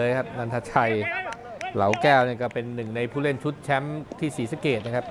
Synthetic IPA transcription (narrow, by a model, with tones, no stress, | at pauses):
jkʰa˦˥p̚na˧nt̪ʰa˧˥t͡ɕʰa˧j | la̰˩˦wkɛː˥˩wni˥˩ɐkɔː˥˩pe˧nːɯ˨˩ŋna˧jpʰuː˥˩le˥˩nt͡ɕʰu˦˥t̪̚t͡ɕʰɛ˦˥mt̪ʰiː˥˩siː˩˦sa˨˧˦keː˨˩t̪̚na˦˥kʰa˦˥p̚